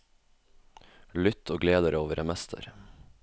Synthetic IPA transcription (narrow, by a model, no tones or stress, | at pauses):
lʏt̪ʰoːɡleːd̪əɾoːʋəɾɛmɛst̪ʰə̰ɾ